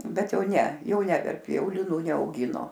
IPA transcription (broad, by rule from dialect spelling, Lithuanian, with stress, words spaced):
ˈbʲɛt ˈjɛʊ ˈnʲɛ ˈjɛʊ ˈnʲɛ ˈnʲæːʋʲɛrʲpʲɪ ˈjɛʊ lʲɪˈnuː nʲɛɐʊˈɡʲɪnoː